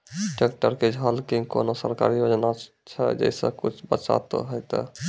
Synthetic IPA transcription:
ʈek̚ʈəɾked͡ʒʱɦalkiko̰nosəɾka̰ɾijod͡ʒna | t͡ʃʰɛd͡ʒɛ̰sə̰̃kut͡ʃʰbət͡ʃa̰t̪o̰ɦojt̪ɔ̰

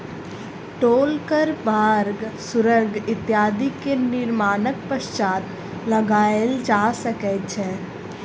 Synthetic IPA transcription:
ʈoːlkəɾbaːɾɡsʊɾəɾɡɪt̪jaːd̪ikenɪɾmaːnək̚pəʃt͡ʃaːt̪ | lɐɡaːeld͡ʒaːsəkɛt͡ʃʰɛː

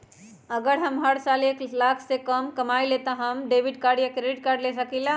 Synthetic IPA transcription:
əɡəɽɦəmɦəɽsaleklakʰsekəmkəmajlet̪əɦəmɖebʱiɖkaɾɖjəkɾeiʈ̚kaɾɖlesəkila

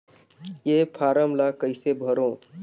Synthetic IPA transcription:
jepʰaːɾəmlakəɪsebʱəɾõː

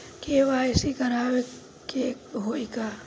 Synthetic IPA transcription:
keʋaːɪsikɐɾaːwe | keɦoːika

